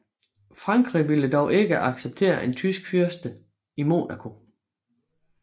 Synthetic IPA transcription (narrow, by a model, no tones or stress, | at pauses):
fʁɑ̈ŋɡ̥ʁiʋiləd̥ɒʊʔe̝ɡ̥əʔɑ̈ɡ̥seb̥̚t͡sʰe̝̰ːɐʔe̝nt͡sʰysɡ̥fyɐsd̥ə | imo̝̰ːnækʰo̝